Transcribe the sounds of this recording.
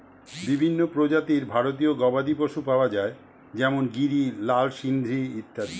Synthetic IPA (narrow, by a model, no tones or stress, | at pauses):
bibʱinːopɾod͡ʑat̪iɾbʱaɾot̪ioɡɔbad̪ipoʃupaoad͡ʑae | d͡ʑɛmonɡiɾilalʃind̪ʱɾiit̪ːad̪i